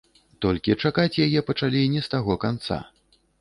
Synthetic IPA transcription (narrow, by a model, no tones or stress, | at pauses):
t̪ɔlʲkʲit͡ʂakat͡sʲjajɛpɐt͡ʂalʲinʲɛst̪aɣɔkant̪sa̰